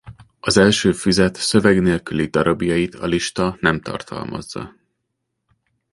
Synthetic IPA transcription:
ɒzɛlʃøːfyzɛt̪søvɛɡneːlkylid̪ɒɾɒbjɒjit̪ʰɒliʃt̪ɒnɛmt̪ɒ̰rt̪ʰɒ̰lmɒ̰zːɒ̰

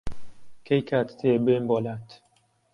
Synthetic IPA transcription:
kʰejkʰat̪t̪ʰebembɔlat̪ʰ

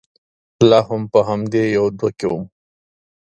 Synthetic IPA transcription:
laɦʊmpəɦamd̪ejawd̪wakewum

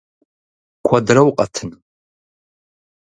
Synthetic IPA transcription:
kʷʰadrɐwqʼɐtʰɨn

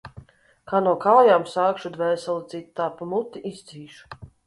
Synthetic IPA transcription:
kaːnuɔkaːjaːmsaːkʃud̪vɛːsɛlˠt̪sit̪ːaːpumut̪ːiʔiz̥t̪zʲiːʃu̥

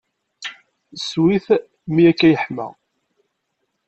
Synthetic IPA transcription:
swiθ | miækːæjəħmæ̰

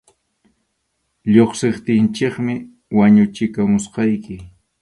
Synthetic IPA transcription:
ʎoχseχt̪ɪnt͡ʃɪkmɪ | waɲʊt͡ʃɪkamʊsqɑjkɪ

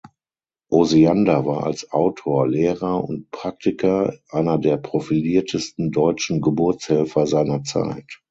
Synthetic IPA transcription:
ʔoziandavaːɐʔa̰lsʔa̰ʊtʰoːɐleːʁɐʔʊnt̚pʁ̥ak̚tɪkʰɐʔaɪnɐdeːɐpʁ̥ofiliːɐtʰəstn̩dɔʏt͡ʃn̩ɡəbʊɐt͡shɛlfɐzaɪnɐt͡sa̰ɪt

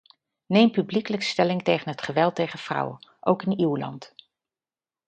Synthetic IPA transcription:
nejmpyblikələkstɛlɪŋtejχənɦətχəʋɛlˠtejχəv̥rɑ̰wəʔowkɪniwlɑ̰nt

